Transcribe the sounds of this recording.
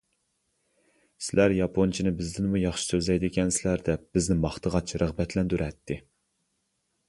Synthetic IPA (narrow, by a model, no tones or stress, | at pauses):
sɪlæɾjɑpʰont͡ʃʰinɪbɪzd̪ɪnmujɑχʃɪ̥søzɛjd̪ɪkʲʰɛnsɪlæɾd̪ɛp̚b̥ɪznɪmɑχt̪ʰəʁɑt͡ʃɾəʁbɛt̪ʰlɛnd̪yɾɛt̪ʰːɪ